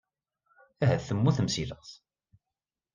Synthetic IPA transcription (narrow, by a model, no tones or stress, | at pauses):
æɦæθəmːuθəmsiləʁθ